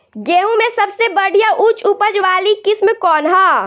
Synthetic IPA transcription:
ɡeːũmẽsɐbsebɐɽ̤ʱijaʔut͡ʃʊpəd͡ʒʋaːlikɪsmkɔːnɦaː

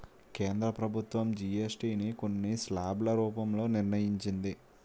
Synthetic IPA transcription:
ke̞ːnd̪ɾɐpɾɐbʱut̪ʋɐmd͡ʒiesʈiːniko̞nːislaːblɐɾuːpɐmlo̞ːniɾnɐjiɲt͡ʃind̪i

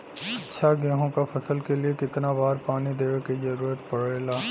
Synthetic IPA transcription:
ɐtːʃʰaɡɛːɦõkapʰɐsəlkeliekɪt̪nabaːɾpaːnid̪eːʋkizɐɾuːɾət̪pɐɽeːlaː

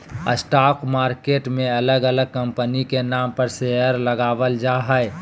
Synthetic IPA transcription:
əsʈaːkmaːɾkeːʈmẽɐləɡələɡ̚kəmpənikenaːmpəɾseəɾləɡaːʋəld͡ʒaɦəe

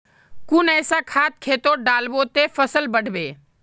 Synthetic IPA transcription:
kʊnɛːsakʰaːt̪̚kʰeːt̪oɖaːlbot̪efəsəlbəɽ̤ʱbeː

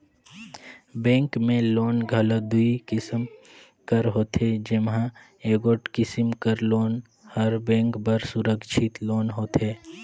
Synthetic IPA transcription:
bɛ̃ːŋkmẽloːnɡʱɐləd̪uikɪsəm | kəɾɦoːt̪ed͡ʒɪmɦã | eːɡoʈkɪsəmkəɾloːn | hɐɾbɛ̃ːŋkbəɾsʊɾəkʃʰɪt̪loːnɦoːt̪eː

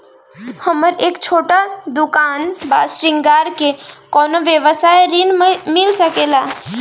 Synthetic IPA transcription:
həməɾekt͡ʃʰoʈad̪ukanba̰sɾiŋɡaɾkekɔnoʋjəʋəsaeɾinmilsəkela

